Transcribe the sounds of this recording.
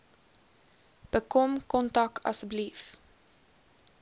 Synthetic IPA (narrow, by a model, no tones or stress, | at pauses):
b̥əkɔmkɔntɐkɐ̰sblif